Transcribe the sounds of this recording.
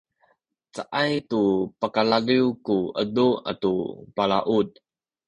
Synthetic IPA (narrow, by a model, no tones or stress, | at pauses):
t͡saʔajtupəkalaliwkuʔədua̰tupalaʔud̚